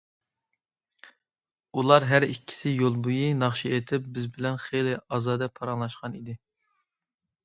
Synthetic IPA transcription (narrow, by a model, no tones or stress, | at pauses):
ulˠɑɾɦæɾikʲʰːi̥sɪjolˠbujinɑχʃiet̪ʰɪp̚bɪzbɪlɛnχejlɪɑːzɑːd̪ɛpʰɑɾɑŋlˠɑʃqɑnid̪ɪ